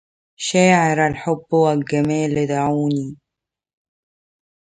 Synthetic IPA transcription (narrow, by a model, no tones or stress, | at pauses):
ʃaːʕɪɾalħʊbːwalɡamaːlɪd̪aʕuːni